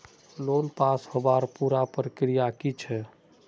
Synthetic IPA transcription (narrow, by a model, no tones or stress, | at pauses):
lonpashobaɾpuɾapəɾəkɾijakit͡ʃʰɛ